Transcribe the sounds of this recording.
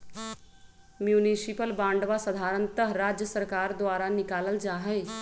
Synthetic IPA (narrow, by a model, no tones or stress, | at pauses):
mjuːnisipəlbãːɳɖʋasəd̪ʱaːɾə̃nt̪əɦɾaːd͡ʒjəsəɾkaːɾd̪ʋaːɾanɪkaːləld͡ʒaːɦɛː